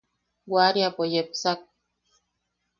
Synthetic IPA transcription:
waɾiapojepsak̚

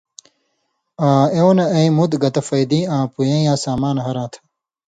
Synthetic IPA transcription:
ãːewnɐɐimud̪ɡɐt̪ɐfɐjd̪ĩːãːpujẽːjãːsaːmaːnɦɐɾãːt̪ʰɐ̥

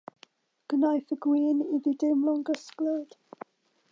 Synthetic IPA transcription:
ɡ̥ənajθəɡwiːniðidɪmlɔŋɡəskləd̥

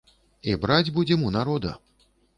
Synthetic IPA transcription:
ibɾad͡zʲbud͡zʲɛmunaɾɔd̪ɐ̰

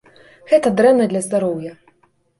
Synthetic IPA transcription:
ɣɛt̪ɐd̪ɾɛmnɐd̪lʲɐzd̪aɾɔwjɐ

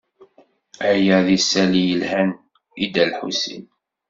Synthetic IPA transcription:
æjæðisælijəlhæn | id̪ælħṵsḭn

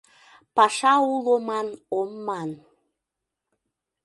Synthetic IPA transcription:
pɑʃɑulˠomɑnomːɑn

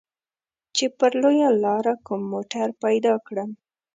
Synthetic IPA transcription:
t͡ʃepəɾlojalɑɾakumːoʈaɾpajd̪ɑkɽəm

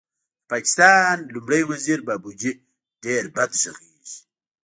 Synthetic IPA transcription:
pakɪ̥st̪ɑːnlumɽajwaziɾbabud͡ʒi | ɖ̥eɾbad̪ʃaɣiʒi

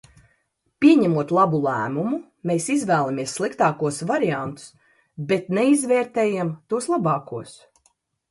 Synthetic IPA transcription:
pʲiɛɲæmuɔt̪lˠabulˠæːmumu | meːsizvæːlˠamiɛsːlˠikt̪ɑːkuɔsvaɾiant̪u̥s | bet̪nɛizvɛːɾt̪ɛːjamt̪uɔslˠabɑːkuɔs

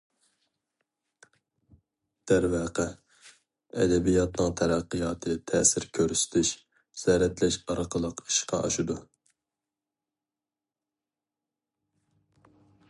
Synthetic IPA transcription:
d̪̥æɾvæqɛ | ɛ̰d̪ɛbijɑt̪nɨŋt̪ʰɛɾæqːɨjɑːt̪ʰɨt̪ʰɛsɪɾkʲʰøɾsɪ̥t̪ʰɪʃ | z̥ɛɾɛt̪lɛʃɑɾɑqʰəlˠəqi̥ʃqʰɑ̰ʔɑʃud̪u

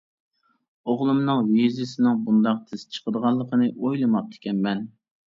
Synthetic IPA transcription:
oʁlˠumnɨŋvizɪsɪnɨŋbund̪ɑq̚t̪ʰɪst͡ʃʰə̥qəd̪əʁɑlˠːəqʰənɨʔojlˠɨmɑq̚t̪ʰɪ̥kʲɛnmɛn

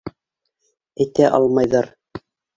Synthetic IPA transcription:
æjt̪æʔɑ̰lˠmɑjðɑɾ

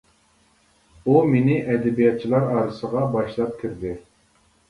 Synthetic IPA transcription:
umenɪʔɛd̪ɛbijɑt̪̚t͡ʃʰilˠɑɾɑːɾɨsəʁɑbɑʃlˠɑp̚kʲʰiɾd̪ɪ

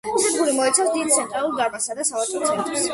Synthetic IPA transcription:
isɛd̪ɡulimɔɛt̪sʰafsd̪id̪̚t̪sʰɛnt̪ʼɾalˠuɾɡaɾmasad̪asavat̪sʼɔsʰʼɛt̪ʼas

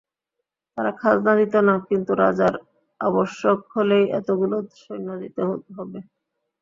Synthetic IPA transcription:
t̪aɾakʰad͡ʑnad̪it̪onakint̪uɾa̰d͡ʑaɾ | aboʃːokholejɛ̰t̪oɡulod̪ʃojnad̪it̪eɦot̪eɦɔbe

